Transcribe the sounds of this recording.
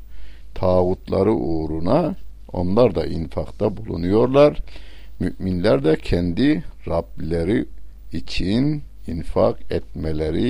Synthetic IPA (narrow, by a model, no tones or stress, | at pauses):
t̪ʰaːɣut̪ʰlˠɑ̰ɾɯʔuːɾunɑ | o̞̰nlˠɑɾd̪ɑ̰ʔinfɑqt̪ɑbulˠṵnujo̞ɾlˠɑɾmyʔminlæɾd̪ɛcʰɛnd̪iɾɑblʲeɾiː | t͡ʃʰin | infɑ̰qɛt̪̚mɛlæɾi